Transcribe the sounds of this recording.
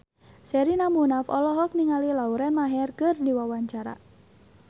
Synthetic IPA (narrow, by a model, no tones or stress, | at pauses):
sɛɾinamunafɔlɔɦɔk̚niŋalilauɾɛnmaɦɛrkərdiwawaɲt͡ʃaɾa̰